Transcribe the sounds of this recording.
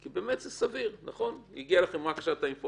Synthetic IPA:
kibeːmet̪zɛsaviʁnaχo̞njiɡialaχemʁakḁʃat̪ainfo

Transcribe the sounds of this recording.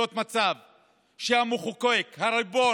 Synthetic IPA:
ot̪mat͡sav | ʃeamuχukoekhaɾabo̞

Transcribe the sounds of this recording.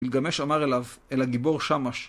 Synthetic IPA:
ilɡameʃamaʁelavelaɡibo̞ʁʃamaʃ

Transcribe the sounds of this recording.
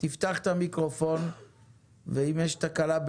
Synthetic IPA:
t̪ift̪aχt̪amikʁo̞fon | veimjeʃt̪akalab

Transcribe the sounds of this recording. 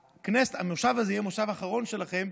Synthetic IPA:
kneset̪ameʁʃavazejemoʃavaχaʁo̞nʃelaχe̞m

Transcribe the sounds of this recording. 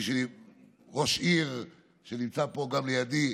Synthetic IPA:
ʃei | ʁo̞ʃiʁ | ʃenimt͡sapo̞ɡamlejad̪i

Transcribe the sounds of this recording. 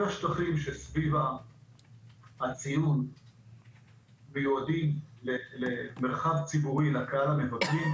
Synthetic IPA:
laʃt̪aχimʃesviva | hat͡sijun | mejuad̪imleleme̞ʁχavt͡sibuʁilakaalamevaklim

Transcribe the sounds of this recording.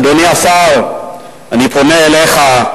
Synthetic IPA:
doniasal | anipʰonɛɛlɛxa

